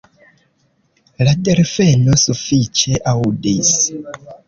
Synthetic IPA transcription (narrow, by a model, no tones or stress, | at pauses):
ladeɾfenosufit͡ʃe̞ʔaudis